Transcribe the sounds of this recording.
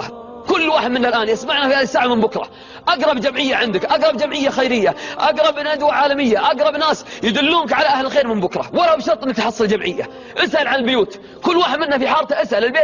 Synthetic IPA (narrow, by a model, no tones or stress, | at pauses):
kʊlːwaːħɪd̪mɪnːalʔaːnʔasmaʕnafiaːɪsaːʕamɪmbʊkɾˤɑ̰ | ʔaɡɾˤɑbd͡ʒamʕɪjːaʕɪnd̪ɪkʔaɡɾˤɑbd͡ʒamʕɪjːaxajɾɪjːaʔaɡɾˤɑbnad̪waʕaːlamɪjːaʔaɡɾˤɑbnaːsjɪd̪ʊlːuːnkʕalaʔahlɪlxeːɾmɪmbʊkɾˤɑ̰walabʃɑɾˤt̪ˤʔɪnːkt̪ħɑsˤːɑld͡ʒamʕɪjːa̰ | ʔɪsʔalʕanɪlbɪjuːt̪ | kʊlːwaːħɪd̪mɪnːafiħɑːɾˤt̪aʔasʔalɪlbeː